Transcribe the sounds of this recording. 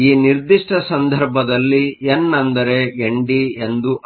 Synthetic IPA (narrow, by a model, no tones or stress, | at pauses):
iːniɾd̪iʂʈʰɐsɐnd̪ʱɐɾbʱɐd̪ɐlːienːɐnd̪ɐɾe̞ɡeɳɖie̞nd̪u